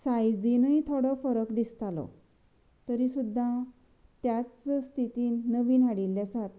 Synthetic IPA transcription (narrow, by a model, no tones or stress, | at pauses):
sajd͡zinəit̪ʰoɽɔfəɾəkd̪ist̪alɔ̰ | t̪əɾisud̪ʱːã | t̪jat͡sst̪ʰit̪iːəʋiːnaɽilːjasat̪̚